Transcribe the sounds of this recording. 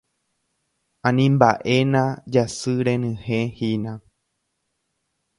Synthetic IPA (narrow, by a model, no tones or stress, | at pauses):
ãnĩmbaʔenãd͡ʒasɨɾẽnɨ̃hẽhinã